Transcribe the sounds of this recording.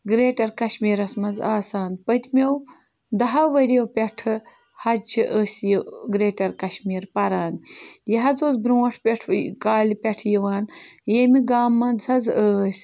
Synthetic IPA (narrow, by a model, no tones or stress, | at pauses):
ɡɾeːʈɐɾkɐʃmiːɾɐsmɐnd͡zaːsaːnpɐt̪ʲmʲew | d̪ɐɦɐʋɐɾɐwpʲeʈʰɨ | hɐt͡ʃʰiʔəːsʲjiɡɾeːʈɐɾkɐʃmiːɾpɐɾaːnjɐɦɐzoːzbɾũːɐʈʰpʲeʈʰkaːlipʲɐʈʰjiʋaːnjemiɡaːmːɐnd͡zhɐd͡zəːsʲ